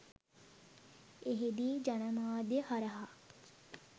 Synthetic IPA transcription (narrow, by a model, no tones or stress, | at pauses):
eɦed̪iːd͡ʒɐnəmaːd̪jehaɾɐɦa